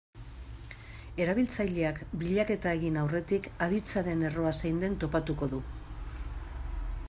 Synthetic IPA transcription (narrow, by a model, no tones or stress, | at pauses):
e̞ɾaβ̞ilt͡sajʎe̞akbiʎake̞t̪ae̞ɣinawre̞t̪ikaðit͡saɾe̞ne̞ro̞asajnd̪e̞nt̪o̞pat̪uko̞ðu